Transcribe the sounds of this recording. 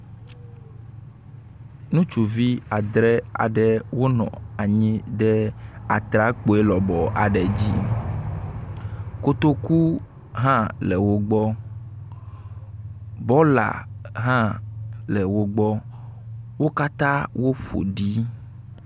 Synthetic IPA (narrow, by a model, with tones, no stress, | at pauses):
nũ˦t͡ʃu˨vi˦a˨d̪ɾɛ˦a̰˨ɖɛ˦wo˦nɔ̰̃˨a˨ɲĩ˦ɖɛ˦a˨t̪ɾa˦k͡po˨e˦lɔ˨bɔ˨a̰˨ɖɛ˨d͡ʑi˦ | ko˦t̪o˦ku˦ | ɦã˦lɛ˨wo˦ɡ͡bɔ˦ | bɔ˦la̰˨ɦã˦lɛ˨wo˦ɡ͡bɔ˦ | wo˦ka˦t̪ã˦wo˦ɸo̰˨ɖi˦